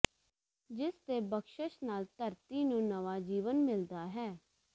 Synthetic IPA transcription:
d͡ʒɪst̪eːbəkʃəʃnaːlt̪əɾt̪iːnũːnəʋaːd͡ʒiːʋənmɪld̪aːɦɛː

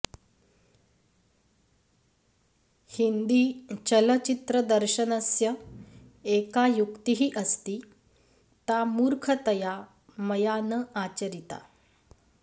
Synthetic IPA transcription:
hind̪iːt͡ɕələt͡ɕit̪ɾəd̪əɾɕənəsjə | ekajukt̪iɦiːʔəst̪iː | t̪amuɾkʰət̪əja | məjanəat͡ɕəɾit̪a̰

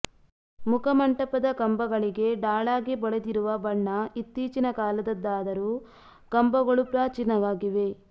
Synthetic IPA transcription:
mukʰɐmɐɳʈɐpɐd̪ɐkɐmbɐɡɐɭiɡe̞ɖaːɭaːɡibɔɭed̪iɾuʋɐbɐɳːɐit̪ːiːt͡ʃinɐkaːlɐd̪ɐd̪ːaːd̪ɐɾuː | kɐmbɐɡɐɭupɾaːt͡ʃinɐʋaːɡiʋe̞

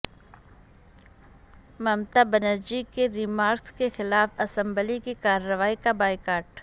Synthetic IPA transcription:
mɐmt̪abɐnəɾd͡ʒikeɾiːmaːɾkskexɪlaːfɐsə̃mbəlikikaːɾːəʋaːikabaːɪkaːɾʈ

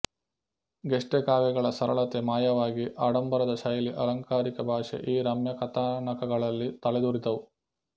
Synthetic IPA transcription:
ɡeʂʈekaːʋjɐɡɐɭɐsɐɾɐɭɐt̪emaːjɐʋaːɡiʔaːɽɐmbɐɾɐd̪ɐʃɐjliʔɐlɐŋkaːɾikɐbʱaːʂḛʔiːɾɐmjɐkɐt̪aːɳɐkɐɡɐɭɐlːit̪ɐɭɛd̪uɾit̪ɐʋu

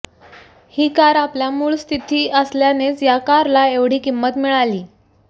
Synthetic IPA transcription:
hiːkaɾapljamuːɭst̪ʰit̪iːʔəsljanet͡sjakaɾlaeʋɽ̤iːkimːət̪miɭaliː

